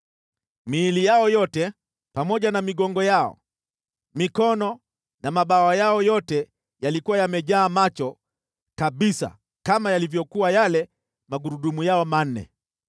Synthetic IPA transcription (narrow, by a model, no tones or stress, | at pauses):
miːlijaɔjɔtɛ | pamɔʄanamiɠɔŋɡɔjaɔ̰ | mikɔnɔ | namaɓawajaɔjɔtɛ | jalikuwajamɛʄaːmat͡ʃɔ | kaɓisa̰ | kamajalivjɔkuwajalɛ | maɠuɾuɗumujaɔman̩ːɛ̰